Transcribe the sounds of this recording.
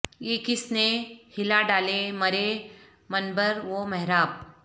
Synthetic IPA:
ekisnehilaɖaleməɾe | mənbəɾʋoməɦɾap̚

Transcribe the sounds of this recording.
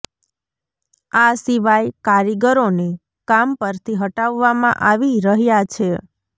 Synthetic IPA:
asiʋajkaɾiɡəɾone | kampəɾt̪ʰiɦəʈaʋːamã̰ʔaʋiɾəɦjat͡ʃʰe

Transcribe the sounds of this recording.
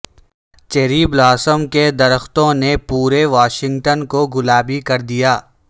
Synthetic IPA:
t͡ʃeɾiːblaːsəmked̪ɐɾəxt̪õnepuːɾeʋaːʃɪ̃ŋɡʈənkoɡʊlaːbikɐɾd̪ijaː

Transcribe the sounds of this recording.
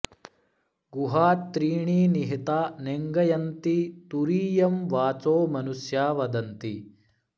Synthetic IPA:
ɡuɦaːt̪ːɾiːɳiːniɦit̪aːneŋɡɐjɐnt̪it̪uɾiːjɐmʋaːt͡soːmɐnusjaːʋɐd̪ɐnt̪i

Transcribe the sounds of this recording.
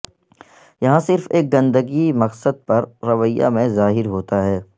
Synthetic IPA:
jɐɦãsɪɾfeːk̚ɡɐ̃nd̪əɡimɐqsəd̪̚pɐɾːɐʋəja̰mẽzaːɦɪɾɦoːt̪aɦɛː

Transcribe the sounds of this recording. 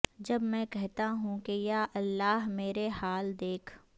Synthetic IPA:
d͡ʒɐbmɛ̃kɛɦt̪aɦũkejaːʔɐlːaːɦmeːɾehaːld̪eːkʰ

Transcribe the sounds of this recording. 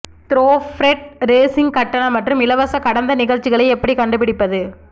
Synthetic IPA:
t̪ɪɾoːfɾɛʈ̚ɾeːsɪŋɡkɐʈːɐnɐmɐʈrɯmɪlɐʋɐsɐkɐɽɐnd̪ɐnɪɣɐɻt͡ʃːɪɣɐɭɐɪɛpːɐɽikɐɳɖɯpɪɽɪpːɐðɯ

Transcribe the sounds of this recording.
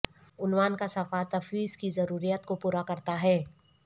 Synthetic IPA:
ʊnwaːnkasɐfat̪ɐfwiːzkizɐɾuːɾijat̪kopuːɾakɐɾt̪aɦɛː

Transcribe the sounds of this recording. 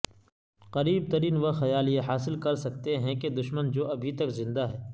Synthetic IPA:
qɐɾiːb̚t̪ɐɾiːnʋɐɐjaːljeɦaːsɪlkɐɾsɐk̚t̪eɦɛ̃ked̪ʊʃmənd͡ʒoːɐbʱit̪ɐkzɪ̃nd̪aɦɛː

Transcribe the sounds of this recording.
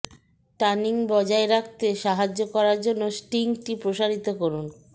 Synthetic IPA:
ʈaniŋbɔd͡ʑaeɾak̚ʰt̪eʃaɦad͡ʑokɔɾaɾd͡ʑonːosʈiŋʈipɾoʃaɾit̪okoɾun

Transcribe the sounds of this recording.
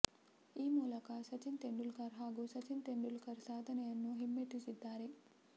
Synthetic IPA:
iːmuːlɐkasɐt͡ʃint̪eɳɖulkɐɾɦaːɡusɐt͡ʃint̪eɳɖulkɐɾsaːd̪ʱɐnɐjɐnːuɦimːeʈisid̪ːaːɾe

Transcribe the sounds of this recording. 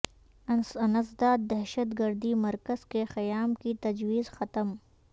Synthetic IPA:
ɐnəs̬d̪aːd̪̚ːɛɦʃət̪ɡɐɾd̪imɐɾkəzkexɐjaːmkit̪ɐd͡ʒwiːzxɐt̪əm

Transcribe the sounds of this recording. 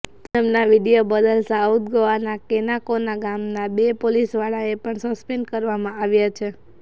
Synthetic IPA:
t̪ɛmnaʋiɽijobəd̪əlsaut̪̚ɡəʋanakenakonaɡamnabepolisʋaɭaepəɳsəspeɳɖkəɾʋamãaʋjat͡ʃʰe

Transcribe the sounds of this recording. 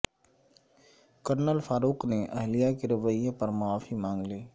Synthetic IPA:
kəɾnəlfaːɾuːkneʔɐɦlijakeɾɪʋəiẽpɐɾmʊaːfimãːŋɡleː

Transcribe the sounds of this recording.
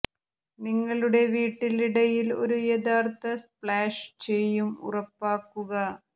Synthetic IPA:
niŋːɐɭuɽe̞ʋiːʈːiliɽɐjilo̞̰ɾujed̪aːrt̪ɐspɭaːʂt͡ɕe̞jːumṵrɐpːaːkːuɣɐ

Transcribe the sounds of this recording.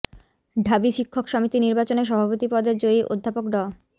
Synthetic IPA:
ɖʱabiʃikʰːokʃɔmit̪iniɾbat͡ɕoneʃ̬ɔbʱapot̪ipɔd̪eɾd͡ʑoiʔo̰d̪ʱːapokɖɔ

